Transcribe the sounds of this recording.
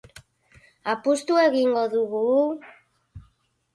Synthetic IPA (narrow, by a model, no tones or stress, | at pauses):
apust̪ueɣiŋɡoðuɣu